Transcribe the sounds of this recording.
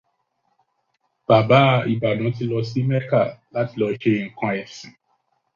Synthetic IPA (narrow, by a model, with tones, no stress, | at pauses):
b̥a˨ba˨˦i˨ba˨nã˨˦t̬ĩ˧lɔ˧si˦mɛ˦ka˦˨la˨˦ti˧lɔ˧˦ʃe˧˨ŋ̩˨kã˧ɛ˨sĩ˨˦